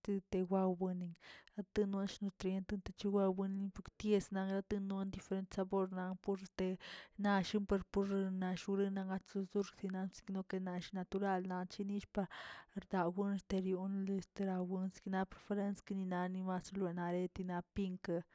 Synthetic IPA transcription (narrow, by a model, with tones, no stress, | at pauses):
t̪i˧t̪e˧wʷa˧wbɨ˧ni˧ŋɾa˦t̪ɨ˦nwe˧˦nʃnu˧t̪ɾe˦nt̪ɨ˧nt̪e˧t͡ʃi˧wa˧bɨ˧n˧ni˧pu˧kt̪je˧sna˧ŋɾa˧˦t̪ɨ˧nwa˦nd̪i˧fe˧ɾe˧nt̪sa˧bo˧ɾna˧ŋpu˧ɾt̪e˧na˧ʃi˦mpe˧ɾpu˧ɾna˧ʃu˧ɾɨ˦na˧ŋa˧t͡su˧zu˦ɾksi˧na˧nsi̥˧kno˧ke˧na˧ʃi˦na˧t̪u˧ɾa˦˧lna˧nt͡ʃi˧ni˦ʃpa˧ɾd̪a˨wɨ˦n˧st̪e˧ɾju˧nle˧st̪e˧ɾa˧wɨ˧nsi̥˧kna˧˦pɾe˧fe˧ɾe˦nski˧ni˧na˧ni˧ma˧slwe˨na˧ɾe˦˧t̪i˧na˧pi˧ŋka˧